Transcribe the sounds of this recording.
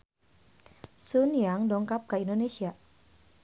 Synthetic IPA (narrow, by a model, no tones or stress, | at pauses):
sunjaŋdɔŋkap̚kaindonesia